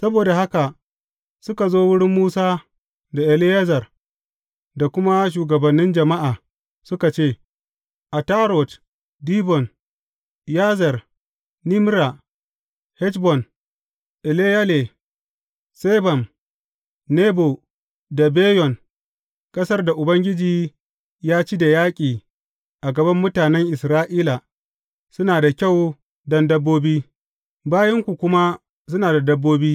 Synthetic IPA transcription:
sɐ˦boː˨da˨ha˦ka˨ | sʊ˦ka˨zoː˦wʊ˦ɽɪ˦mːuː˦saː˦ | da˨ʔɛ˨lɪ˦ja˦zɐ˨r | da˨kʷʊ˦ma˦ʃ̬uː˨ɡɐ˨bɐ˨nːɪ˦nd͡ʒɐ˨ma˦ʔaː˨ | sʊ˦ka˨t͡ʃeː˦˨ | ʔa˨taː˦ɾɔ˨t | diː˦bɔ˨n | ja˦zɐ˨r | ni˦m˦ɾa˨ | hɛ˦t͡ʃbɔ˨n | ʔɛ˨le˦ja˦le˨ | se˦bɐ˨n | ne˦bo˨ | da˨beː˦jɔ˨n | kʼɐ˦sɐ˦rda˨ʔʊ˨bɐ˦ŋɡʲɪ˦d͡ʒiː˨ | jaː˦t͡ʃiː˦da˨jaː˦kʲʼiː˨ | ʔa˨ɡɐ˨bɐ˦mːʊ˦taː˨nɛ˦ŋʔɪ˨sɾaː˦ʔiː˦la˨ | sʊ˦naː˨da˨kʲa˦˨w | dɐ˦ndɐ˦bːoː˦biː˦ | baː˦jɐ˦ŋkʷu˨kʷʊ˦ma˦ | sʊ˦naː˨da˨dɐ˦bːoː˦biː˦

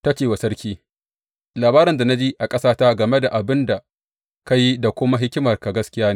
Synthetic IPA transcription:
ta˦t͡ʃeː˨wa˨sɐ˦ɽkʲiː˦ | laː˨baː˦ɾɐ˨nda˨na˦d͡ʒiː˦ʔa˨kʼɐ˦saː˦ta˦ɡɐ˨me˦da˨ʔa˨bɪ˦nda˨ | ka˦ji˦da˨kʷʊ˦ma˦ɦɪ˦kʲɪ˦mɐ˨rka˨ɡɐ˦skʲɪ˦jaː˦neː˦˨

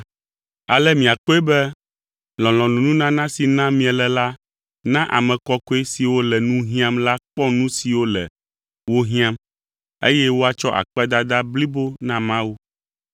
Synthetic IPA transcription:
a̰˨lɛ˦mĩ˨a˨k͡pɔ˦ɛ˦bɛ˦ | lɔ̃˨lɔ̃˨nũ˨nũ˦nã˦nã˦si˨nã˦mĩ˨ɛ˨lɛ˨la˦ | nã˦ʔa̰˨mɛ̃˨kɔ˦ko˦e˦si˨wo˦lɛ˨nũ˦ɦĩ˦ã˦mla˦k͡pɔ˦nũ˦si˨wo˦lɛ̰˨ | wo˦ɦĩ˦ã˦m | ḛ˦jɛ˦wo˦a˨t͡ʃɔ˦ʔa̰˨k͡pɛ˦d̪a˦d̪a˦bli˦bo˦nã˦mã˦wu˦

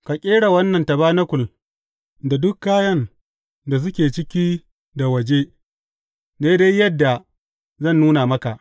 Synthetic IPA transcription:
ka˨kʲʼeː˦ɽa˨wɐ˦nːɐ˨ntɐ˨baː˦nɐ˦kʷʊ˨l | da˨dʊ˦kːaː˦jɐ˦n | da˨s̬ʊ˦kʲeː˨t͡ʃɪ˦kʲi˦ | da˨wɐ˨d͡ʒe˦ | de˦da˦jjːɐ˦dːa˨ | zɐ˦˨nːuː˦na˨mɐ˦ka˨ʔ

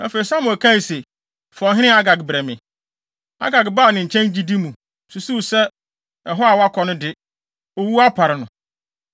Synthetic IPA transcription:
ɛ˦fe˨i˨sã˦mʊ̃˨æ˨kʰã˦i˨se˨ | fɔ̃˨ɦɪ̃˦ñɪ̃˦a˦ɡa˨ɡbɾɛ˨mɪ̃˨ | a̰˦ɡa˨ɡba˦˨nɪ̃˨ɲ̩˨t͡ɕʰɛ̃˦nd͡ʑi˦di˦mũ˨ | su˨su˦sɛ˦ | ɛ˨ɦɔ˦a˨wa˦kʰɔ˨nʊ̃˦dɪ˦ | o˨wu˦a˦pʰa˨ɾɪ˨nʊ̃˨

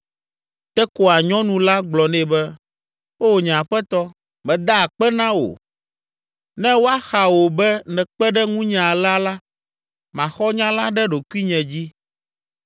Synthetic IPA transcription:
t̪ɛ˦ko˨a˨ɲɔ̃˦nũ˨la˦ɡ͡blɔ˨nɛ̃˦bɛ˦ | wo˦o˨ɲã˨ɸɛ˦t̪ɔ˦ | mɛ̃˨d̪a˦˨k͡pɛ˦nã˦wo̰˨ | nɛ̃˦wo˦a˦xa˨wo˨bɛ˦nɛ̃˨k͡pɛ˦ɖɛ˦ŋũ˦ɲã˨la˦la˦ | mã˨xɔ˦ɲã˦la˦ɖɛ˦ɖo˨ku˦i˦ɲɛ̃˨d͡ʑi˦

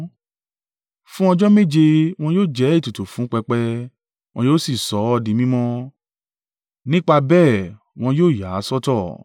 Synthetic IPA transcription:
fũ˦ɔ˧d͡ʒɔ˦mẽ˦˨d͡ʒe˧w̃ɔ̃˧joː˦˨d͡ʒɛ˨˦i˦˨tu˨tu˨fũ˨˦k͡pɛ˧k͡pɛ˧ | w̃ɔ̃˧joː˦si˦˨sɔ˨˦ɔ˧dĩ˧˦mĩ˦mɔ̃˦ | nĩ˦k͡pa˧bɛː˦˨ | w̃ɔ̃˧joː˦˨ja˨˦sɔ˦tɔ˦˨

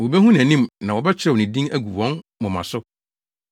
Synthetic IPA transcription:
wo˨be˦ɦũ˦næ̃˨nĩ˦mnã˨ɔ˨bɛ˦t͡ɕʰɪɾɛ˦wɔ˨ĩ˨dĩ˦ŋæ˦ɡu˨wɔ̃˦nmʊ̃˨mã̰˨sʊ˦

